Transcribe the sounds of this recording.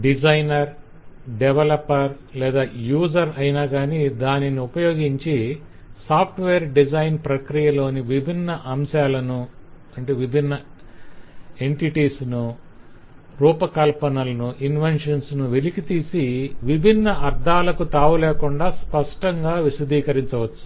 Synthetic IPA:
ɖid͡ʒɐjnɐɾ | ɖɛʋɐlɐpːɐɾ | lɛːd̪aːjuːzɐɾɐjinaːɡaːnid̪aːniniupɐjo̞ːɡiɲt͡ʃi | saːpʰʈʋeːɾɖid͡ʒɐjnpɾɐkɾijɐlo̞ːniʋibʱinːɐʔɐmʃaːlɐnu | ɐɳʈeːʋibʱinːɐ | e̞ɳʈiʈiːsnu | ɾuːpɐkɐlpɐnɐlɐnuʔinʋenʂɐnsnuʋelikit̪iːsiʋibʱinːɐʔɐɾd̪ʱaːlɐkut̪aːʋulɛːkuɳɖaːspɐʂʈɐŋɡaːʋisɐd̪iːkɐɾiɲt͡ʃɐʋɐt͡ʃːu̥

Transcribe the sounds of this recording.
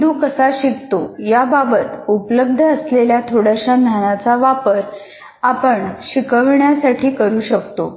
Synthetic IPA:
d̪uːkəsaɕikt̪ojababət̪upləb̚d̪ʱəːsleljat̪ʰoɽaɕan̤anat͡saʋapəɾ | apəɳɕikəʋɳjasaʈʰiːkəɾuːɕəkt̪o

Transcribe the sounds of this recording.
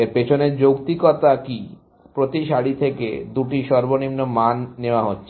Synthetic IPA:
eɾpet͡ɕʰoneɾd͡ʑokt̪ikɔt̪aki | pɾot̪iʃaɽit̪ʰekḛd̪uʈiʃɔɾbonimnomanːeoaɦotːɕʰe

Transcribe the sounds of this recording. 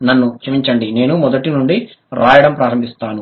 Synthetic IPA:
nɐnːut͡ʃɐmiɲt͡ʃɐɳɖine̞ːnumɔd̪ɐʈinuɳɖi | ɾaːjɐɽɐmpɾaːɾɐmbʱist̪aːnu

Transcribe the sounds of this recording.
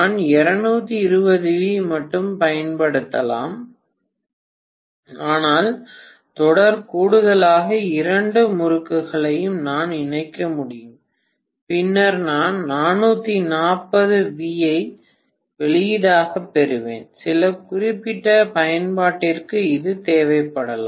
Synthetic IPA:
naːnɛɾɐnuːt̪ːiɪɾɯbɐðɯʋimɐʈːɯmpɐjɐnpɐɽɯt̪ːɐla̰ːm | aːnaːl | t̪ɔɽɐɾkuːɽɯðɐlaːɣɐɪɾɐɳɖɯmʊɾɯkːɯɣɐɭɐjɯmnaːnɪɳɐɪkːɐmʊɽɪjɯm | pɪnːɐɾnaːnnaːnːuːt̪ːinaːpːɐðɯʋiːjɐɪ | ʋɛɭɪjðaːɣɐpːɛɾɯʋḛːnsɪlɐkʊrɪpːɪʈːɐpɐjɐnpaːʈːɪrkɯɪðɯt̪eːʋɐɪpːɐɽɐla̰ː

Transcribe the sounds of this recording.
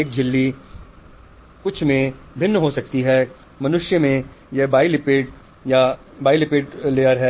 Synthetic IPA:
eːk̚d͡ʒɪlːi | kʊt͡ʃʰmẽ | bʱɪnːəɦosɐk̚t̪iɦɛː | mɐnʊʃjəmẽ | jɛbaːilɪpeːʈ | ja | baːilɪpeːʈleːəɾɦɛː

